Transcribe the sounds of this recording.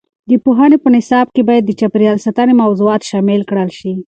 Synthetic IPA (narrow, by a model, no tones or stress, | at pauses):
d̪əpuɦanepənɪsɑb̚kebɑjad̪ːət͡ʃapɾijɑlsat̪anemawzuɑt̪ʃɑmɪlkɽəlʃi